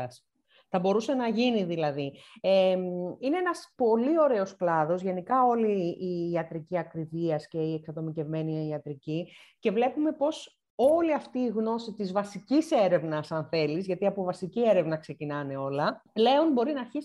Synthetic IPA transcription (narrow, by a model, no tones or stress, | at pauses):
ɐs | θɐbo̞ɾuse̞nɐʝiniðilɐðieine̞enɐspo̞lio̞ɾe̞o̞sklɐðo̞zʝe̞nikɐo̞liːɐt̪ɾiciɐkɾiviɐsce̞ieksɐðo̞mice̞vme̞nieiɐt̪ɾici | ce̞vle̞pume̞po̞s | o̞liɐft̪iːɣno̞sit̪izvɐsicise̞ɾe̞vnɐsɐnθe̞lizʝɐt̪iɐpovɐsicie̞ɾe̞vnɐkse̞cinɐne̞o̞lɐple̞onbo̞ɾinɐɾçis